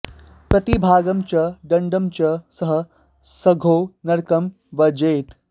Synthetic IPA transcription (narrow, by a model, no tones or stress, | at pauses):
pɾɐt̪ibʱaːɡɐmt͡ʃɐɖɐɳɖɐmt͡ʃɐsɐɦɐ̆ | sɐɡʱoːnɐɾkɐm | ʋɐd͡ʒeːt̪